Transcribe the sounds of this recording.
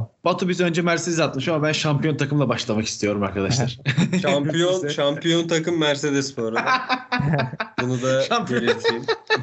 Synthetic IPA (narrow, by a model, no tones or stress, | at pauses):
b̥at̪ʰubizø̞nd͡ʒɛmæɾseɛzat̪̚mɯʃamabænʃampijo̞nt̪ʰakʰɯmlˠabaʃlˠamaki̥st̪ʰijo̞ɾumaɾkad̪aʃlˠaɾ̥ʃampʰijonʃampʰijo̞nt̪ʰakɯmːæɾse̞d̪ɛspoɾu | bunud̪aʃampelʲit̪ʰm